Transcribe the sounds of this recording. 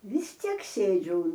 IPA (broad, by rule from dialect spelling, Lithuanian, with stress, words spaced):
ʋʲɪs ˈtʲiɛk ˈsʲeːd͡ʒʲʊ